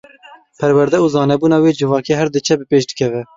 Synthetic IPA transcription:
pʰɛɾwæɾd̪ɛuːzɑːnɛbuːnɑːweːd͡ʒɨvɑːkeːɦæɾd̪ɨt͡ʃʰɛbɨpeːʃd̪ɨkʰɛvɛ

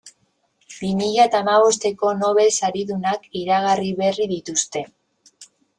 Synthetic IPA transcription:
bimiʎat̪aːmaβ̞o̞st̪e̞ko̞no̞β̞e̞saɾiðunakiɾaɣ̞ariβe̞riðit̪ust̪e̞

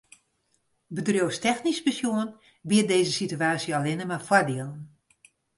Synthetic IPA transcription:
bədrjowstɛxnispəsjuən | biədeːzəsityaːsjəalɪnəmafwardiəlˠən

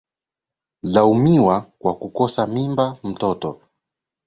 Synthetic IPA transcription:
laumiwakwakukɔsamimbam̩tɔtɔ

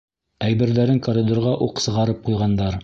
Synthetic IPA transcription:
æjbɘ̆ɾðæɾɘŋkoɾʲid̪oɾʁɑʔuqsɤ̆ʁɑɾɤp̚qujʁɑnd̪ɑɾ

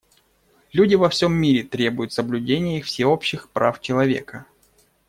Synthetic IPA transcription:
lʲudʲɪvɐfsʲomːʲiɾʲɪt̪ɾʲe̞bʊjʊt̪səblʲʉdʲenʲɪjəixfsʲɪo̞pɕːɪxpɾa̰ft͡ɕɪlˠɐvʲḛkə

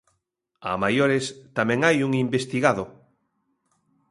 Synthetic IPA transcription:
a̰majoɾest̪amɛ̃ŋajuŋimbest̪iɣaðo

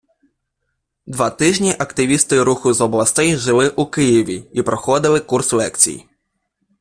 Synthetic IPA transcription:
d̪ʋɑt̪ɪʒnʲiʔɐkt̪ɪʋʲist̪ɪɾuxʊzɔblˠɐst̪ɛjʒɪlˠɪʔukɪjiʋʲiipɾɔxɔd̪ɪlˠɪkurslˠɛkt͡sʲḭj

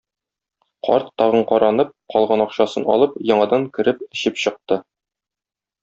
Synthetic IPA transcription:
qʰɒ̰ɾt̪ːɒʁɤɴqɒɾɑnɤp̚qɒlˠʁɑnɒqɕɑsɤnɒ̰lˠɤpjɒɴɑd̪ɑŋkɘ̆ɾɘpɘ̆ɕɘpɕɤ̆q̚t̪ɤ

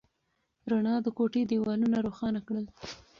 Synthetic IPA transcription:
ɾaɳɑd̪əkoʈed̪iwɑlunaɾoxɑnakɽəl

